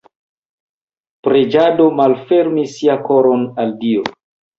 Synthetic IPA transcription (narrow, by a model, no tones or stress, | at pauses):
pɾe̞d͡ʒado̞malfe̞ɾmisːiakoɾonaldio